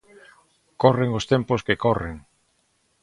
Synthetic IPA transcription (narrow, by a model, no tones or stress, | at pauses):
koreŋost̪emposkekɔreŋ